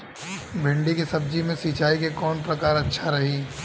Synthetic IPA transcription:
bʱɪ̃ɳɖikisɐb̚d͡ʒimẽsiːt͡ʃaːikekɔːnpɾɐkaːɾɐtːʃʰaɾɐɦiː

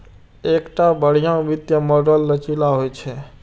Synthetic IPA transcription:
ekʈabəɽ̤ijãũʋit̪jəmɔɖəlːət͡ʃilaɦojt͡ʃʰɛ

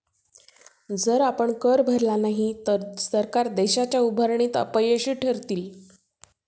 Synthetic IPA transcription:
d͡zəɾapəɳkəɾbʱəɾlanaɦit̪əɾsəɾkaɾd̪eɕat͡ɕjaubʱəɾɳiːt̪ə̰pəjəɕiːʈʰəɾt̪iːl

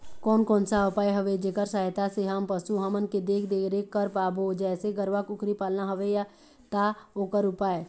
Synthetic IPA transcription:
kɔːnkɔːnsaʊpaːeɦəʋed͡ʒeːkəɾsaːɪt̪aseɦampəsuɦəmənked̪eːkʰd̪eɾeːkːəɾpaːbʱod͡ʒɛːseɡəɾʋakʊkɾipaːlnaɦəʋeja | t̪aoːkəɾʊpaːe

